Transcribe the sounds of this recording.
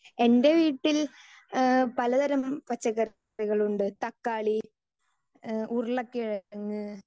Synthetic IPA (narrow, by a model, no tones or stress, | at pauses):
e̞nde̞ʋiːʈːil | pɐlɐd̪ɐɾɐmpɐt͡ɕːɐɣɐr | iɣɐɭuɳɖɨt̪ɐkːaːɭi | urɭɐkːiɻɐŋːɨ